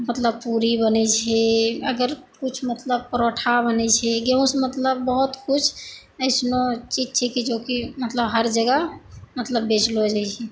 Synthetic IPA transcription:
mət̪ləb̚puɾibənɛt͡ʃʰɛəɡəɾkut͡ʃʰmət̪ləb̚pəɾoʈʰabənɛt͡ʃʰɛɡeũsmət̪ləbːəɦut̪kut͡ʃʰ | əɪsnot͡ʃid͡ʒt͡ʃʰɛkid͡ʒokimət̪ləbɦəɾd͡ʒəɡəmət̪ləbːet͡ʃlod͡ʒait͡ʃʰɛ

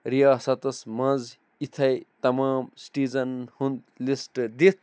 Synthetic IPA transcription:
ɾijasɐt̪ɐsmɐd͡z | it̪ʰɐjt̪ɐmaːmsʈiːd͡zɐnhund̪lisʈd̪it̪ʰ

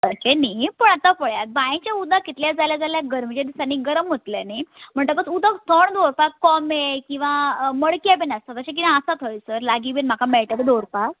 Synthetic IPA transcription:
t̪ət͡ɕenijpəɳat̪afəɭjat̪̚bajẽt͡ɕjaud̪ʱakit̪ljad͡zaljad͡zaljaɡəɾm̤ət͡ɕad̪isaniːɡəɾəmɦot̪ljanim̤əɳʈ̪əkət͡sud̪ʱat̪ʰəɳd̪oɾpakɔmekĩw̃ʋaməɭkijabenast̪at̪əɕak̬inãːsat̪ɦojsəɾlaɡibenm̤akamɛɭʈəbed̪oɾpa

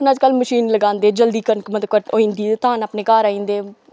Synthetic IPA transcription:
pnəd͡ʒkəlməʃiːnləɡãːnd̪eːd͡ʒəld̪iːkənkmət̪əkəʈoːĩːnd̪iːt̪ãːnaːpneːkaːɾaːĩːnd̪eː

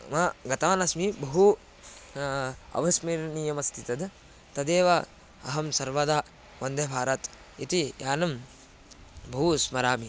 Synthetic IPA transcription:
mɐɡɐt̪aːnɐsmibɐɦu | ɐ̰ʋɐsmiɾnijɐmɐst̪ʰit̪ɐd̪ | t̪ɐd̪eːʋɐ | ɐ̰ɦɐmsɐɾʋɐd̪aː | ʋɐnd̪ebʱaːɾɐt̪ | it̪ijaːnɐm | bɐɦusmɐɾaːmi

